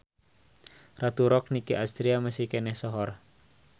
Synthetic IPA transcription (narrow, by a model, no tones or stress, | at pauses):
rat̪uɾɔk̚nikiʔast̪ɾiaməsihkenɛhsɔɦɔr